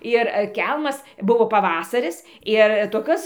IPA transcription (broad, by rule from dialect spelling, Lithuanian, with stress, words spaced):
ɪr ˈkʲɛlˠmɐs ˈbʊʋoː pɐˈʋɑːsɐrʲɪs ɪr toːˈkʲoːs